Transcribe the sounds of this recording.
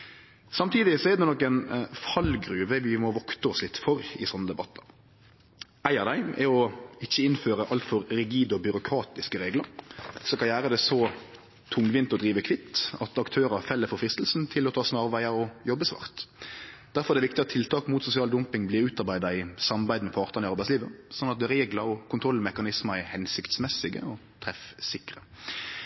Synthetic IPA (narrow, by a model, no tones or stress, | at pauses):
sɑmt̪ʰiːd̪ɪsɔɛd̪ɛnɔkːɛnfɑlɡɾʉːʋəʋɪmɔʋɔkt̪əɔslɪt̪ːfɔɾɪ̰sɔnːəd̪ɛbɑt̪ʰːɑ | æɪɑd̪æɪɛɔɪçːəɪnføːɾəʔɑlt̪fɔɾɾɪɡiːd̪ɔbʏɾʊkʰɾɑːt̪ɪskəɾeːɡləɾsɔkʰɑnjæːʁəd̪ɛsɔ | t̪ʰʊŋːʋɪnt̪ɔd̪ɾiːʋəkʰʋɪt̪ːɑt̪ɑkt̪ʰøːɾɑfɛlːəɾfɔɾfɾɪst̪l̩sn̩t̪ʰɪlɔt̪ʰɑːsnɑʁʋæɪɑɾɔjɔbːəsʋɑ̰ːʁt̪ | d̪̥æɾfɔɾɛd̪ɛʋɪkt̪ɪɑt̪ʰːɪlt̪ʰɑːkmuːt̪sʊsɪɑːld̪ʊmpɪŋbliːɾʉːt̪ɑʁbæɪd̪ɑɪsɑmɑʁbæɪd̪əmɛpʰɑːʁt̪ənɪɑɾbæɪsliːʋəsɔnːɑt̪̚d̪ɛɾeːɡlɑɾɔkʊnt̪ʰɾɔlːmɛkɑnɪsmɑɛhɛnsɪkt̪smɛsːɪɡə̰ɔt̪ʰɾɛfsɪkʁə̰